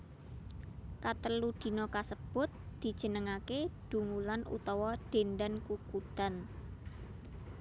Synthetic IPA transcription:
kat̪əlud̪̥i̤nokasəb̥ʊ̤t̪̚d̪̥i̤d̥ʒ̥ə̤nəŋakeɖ̪̥ṳŋulanṵt̪ɔwɔɖ̪̥end̪ankukud̪̥a̤n

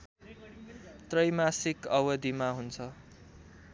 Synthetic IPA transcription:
t̪rʌjmasikʌwʌd̪imaɦunt͡sʰʌ

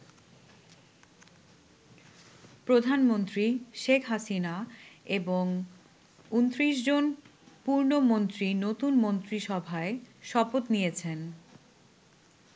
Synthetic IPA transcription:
pɾod̪ʱanmont̪ɾiʃekʰɦasinaeboŋ | unt̪ɾiʃd͡ʑonpuɾnomont̪ɾinot̪unmont̪ɾiʃɔbʱaeʃɔpot̪nijet͡ɕʰen

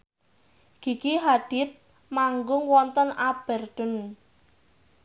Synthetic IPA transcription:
ɡ̥i̤kiɦad̪̥ɪ̤t̪̚ | maŋɡʊŋwɔnt̪ənab̥ɛ̤rd̪̥ʊ̤n

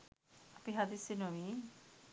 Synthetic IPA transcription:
apiɦad̪isinomi

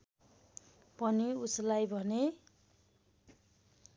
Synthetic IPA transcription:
pʌniuslajbʱʌne

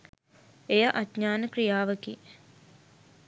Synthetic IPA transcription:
ejɐʔɐt̪ɲaːnəkrijaːʋəki

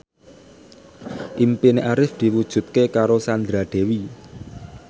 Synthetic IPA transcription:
ʔimpineʔaɾɪfd̪̥i̤wud̥ʒ̥ṳt̪̚kekaɾosand̪ɾaɖ̪̥e̤wi

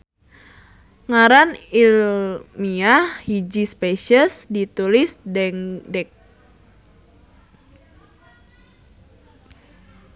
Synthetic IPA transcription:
ŋaɾanilmiahhid͡ʒispeʃəsdit̪ulɪsdɛŋdɛk̚

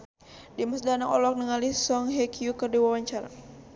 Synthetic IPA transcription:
diməsdanakɔ̰lɔk̚nəŋalihsɔŋɦɛkiukərdiwawaɲt͡ʃaɾa̰

